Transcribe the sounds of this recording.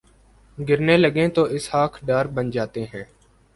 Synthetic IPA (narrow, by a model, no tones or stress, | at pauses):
ɡɪɾneːləɡẽːt̪oːʔɪshaːkʰɖaːɾbənd͡ʒaːt̪eːɦɛ̃ː